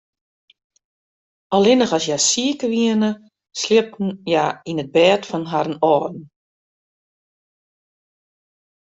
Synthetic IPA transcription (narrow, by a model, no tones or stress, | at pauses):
ɔlˠɪnəχɔsjasiəkəʋiənə | slɪəp̚tn̩jainəd̚bɛːtfɔnɦaɾənɔːdn̩